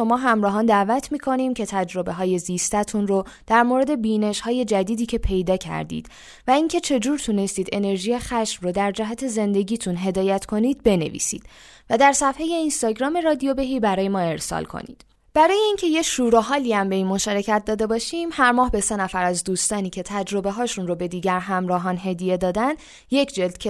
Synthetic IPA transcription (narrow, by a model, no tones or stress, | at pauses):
ʃo̞mɒːɦæmɾɒːɦɒːnd̪ævæt̪ʰmiːkʰo̞niːmcʰe̞t̪ʰæd͡ʒɾo̞be̞ɦɒːje̞zist̪æt̪ʰunro | d̪̥æɾmoɾe̞d̪e̞biːne̞ʃhɒːje̞d͡ʒæd̪iːd̪iːcʰe̞pʰe̞jd̪ɒːcʰæ̰ɾd̪ḭːd̪̥ | væiŋcʰe̞t͡ʃʰe̞d͡ʒuːɾt̪ʰune̞st̪iːd̪e̞ne̞ɾʒijexæʃmrod̪æɾd͡ʒæɦæt̪ʰe̞ze̞nd̪e̞ɟiːt̪ʰunɦe̞d̪ɒːjæt̪ʰkʰo̞niːd̪̚be̞ne̞̰vḭːsḭːd̪̥ | væd̪æɾsæfheje̞inst̪ɒːɟɾɒːme̞ɾɒːd̪ijobe̞ɦiːbæɾɒːje̞mɒːe̞ɾsɒ̰lkʰo̞̰nḭːd̪̥ | b̥æɾɒːje̞iːŋcʰe̞jeʃuːɾoɦɒːliæmbe̞inmo̞ʃɒːɾe̞cʰæt̪̚ʰd̪ɒːd̪e̞bɒːʃiːmhæɾmɒːɦbe̞se̞næfæɾæzd̪uːst̪ɒːniːcʰe̞t̪ʰæd͡ʒɾo̞be̞ɦɒːʃunrobe̞d̪iːɟæɾɦæmɾɒːɦɒːnɦe̞d̪ije̞d̪ɒːd̪ænd̪ | je̞cʰd͡ʒe̞ld̪̥cʰe